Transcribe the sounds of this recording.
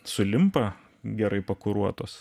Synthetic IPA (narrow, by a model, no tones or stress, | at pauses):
sʊlʲɪmpɐ | ɡʲɛɾɐɪpɐkʊɾuɔt̪oːs